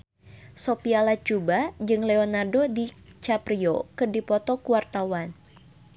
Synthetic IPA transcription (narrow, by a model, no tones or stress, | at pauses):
sopialat͡ʃubad͡ʒɨŋlɛonardodit͡ʃapɾiokɨrdipɔt̪ɔkuwart̪awan